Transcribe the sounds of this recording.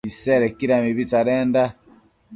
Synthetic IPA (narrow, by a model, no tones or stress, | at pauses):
isɛɾɛkiɾamiβit͡saɾɛːnda